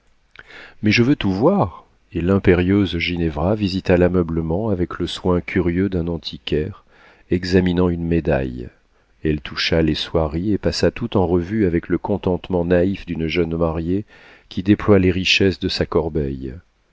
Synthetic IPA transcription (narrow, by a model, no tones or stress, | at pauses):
mɛʒəvøt̪uvwaʁ | elɛ̃peʁjøzʒinevʁavizit̪alamœbləmɑ̃avɛkləswɛ̃kʲʰyʁjød̪ɛ̃nɑ̃t̪ʰikʲɛʁ | ɛɡzaminɑ̃ynmed̪a̰j | ɛlt̪uʃaleswaʁiepasat̪ut̪ɑ̃ʁəvyavɛkləkɔ̃t̪ɑ̃t̪mɑ̃naifd̪ynʒœnmaʁje | kʲid̪eplwaleʁiʃɛsd̪əsakɔʁbɛj